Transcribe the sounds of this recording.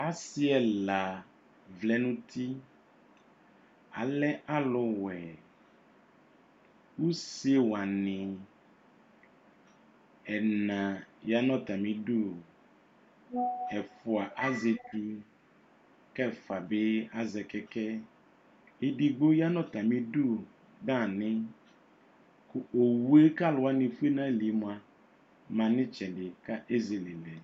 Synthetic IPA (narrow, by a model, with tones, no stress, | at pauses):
a˨si˦ɛ˨la˨ | vlɛ˦nũ˦t̪ʰi˦ | a˨lɛ˦ʔa˦lʊ˨wɛ˨ | wu˦se˦wa˨nɪ̃˨ | ɛ˨nã˨ja˦nɔ̃˦t̪a˨mĩ˦ɖo˦ | ɛ˨fʊ˨a˨ʔa˦ze˨ti˦ | kɛ˦˨fa˨bɪ˦a˦zɛ˨kɛ˦kɛ˦ | ɪ˦di˦ɡ͡bo˦ja˦nɔ˦˨ta˨mi˦du˦˨ | da˦˨nɪ˦ | kʊ˦o˨we˦ka˦˨lʊ˨wa˦ni˨fu˦e˦na˦e˦li˨˦mʊ˨a˨ | ma˨nɪ˦t͡ʃɛ˨dɪ˨ka˦ʔe˦ze˨le˨lɛ˨